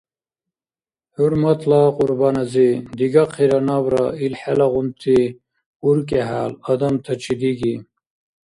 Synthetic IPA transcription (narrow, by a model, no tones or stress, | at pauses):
huɾmɐt̪laquɾbaːnɐzid̪iɡaqʰiɾɐnabɾa̰ilħelɐʁunt̪ʰi | uɾk̬eɦa̰ːlɐd̪ɐmt̪ʰɐt͡ɕʰid̪iɡi